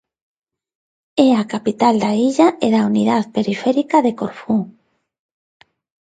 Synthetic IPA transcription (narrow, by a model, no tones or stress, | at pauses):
ɛakapit̪ald̪aiʎaeðauniðaðpeɾifɛɾikaðekoɾfuŋ